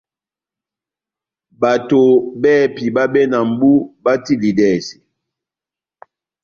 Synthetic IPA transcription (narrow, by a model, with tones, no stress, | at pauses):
ba˨to˨bɛː˦˨pi˨ba˦bɛ˦na˨m̩˨bu˦ba˦ti˦li˨dɛ˦˨si˨